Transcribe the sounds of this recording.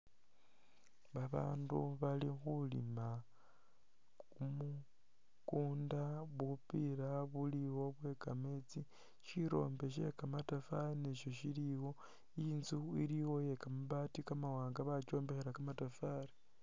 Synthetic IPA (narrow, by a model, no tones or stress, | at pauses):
βaβa̰ːnduβalixulḭma | umu | kuːndaβupiɾaβuliwo̞βwe̞ːkamet͡si | ʃiɾo̞̰ːmbe̞ʃ̬e̞̰kamatafaeneʃo̞ʃiɾiwo̞ | iːnzuiɾiwo̞je̞kamuβaːtikamawaːŋɡaβat͡ʃo̞ːmbe̞xeɾakamatafaɾi